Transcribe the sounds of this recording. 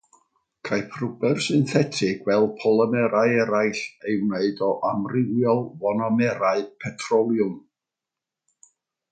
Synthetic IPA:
kʰajpʰrʊbɛrsɨnθɛtʰɪɡ̥wɛlˠpʰɔlˠəmɛɾaɨɛɾajɬewneɨdɔʔamrɪwjɔlˠvɔnɔmɛɾaɨpʰɛtʰrɔlˠjʊm

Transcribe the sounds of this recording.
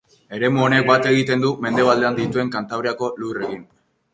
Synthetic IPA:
e̞ɾe̞muone̞k̚bat̪e̞ɣ̞it̪e̞nd̪ume̞nd̪e̞βald̪e̞and̪it̪ue̞ŋkant̪aβɾeako̞lure̞ɣin

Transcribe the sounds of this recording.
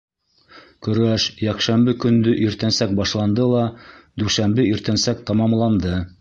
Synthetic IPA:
kɵ̆ɾæʃjækʃæmbɘkɵ̆nd̪ɵʔiɾt̪ænsæk̚bɑʃlˠɑnd̪ɤlˠɑd̪ʉʃæmbɘiɾt̪ænsæk̚t̪ɑmɑmlˠɑnd̪ɤ

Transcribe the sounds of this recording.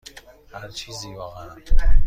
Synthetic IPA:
hæɾt͡ʃʰiːziːvɒːɣææn

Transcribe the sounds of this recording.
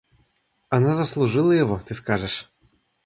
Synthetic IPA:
anazɐslˠuʐɨlˠɐjɔʋɔt̪ɨskaʐɛʂ

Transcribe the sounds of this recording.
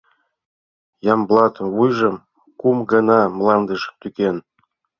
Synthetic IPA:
jɑmblˠɑt̪βujʒɤ̆m | kumɡɤnɑmlˠɑnd̪əʃt̪ykʲen

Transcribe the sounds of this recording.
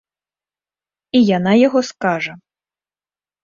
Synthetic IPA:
ijanajaɣɔskaʐɐ

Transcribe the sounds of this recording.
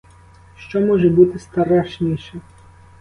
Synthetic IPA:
ʃt͡ʃɔmɔʒɛbut̪ɪst̪ɐɾaʃnʲiʃɛ

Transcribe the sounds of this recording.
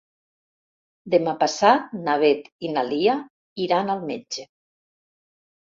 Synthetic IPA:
d̪emapasat̪̚naβ̞et̪inalia | iɾanalˠmed͡ʒe

